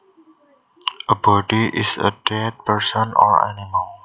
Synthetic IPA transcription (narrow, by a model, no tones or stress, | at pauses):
ʔəbɔdiʔɪsə̰dɛd̚pəɹsɔnɔ̰ɹa̰niməl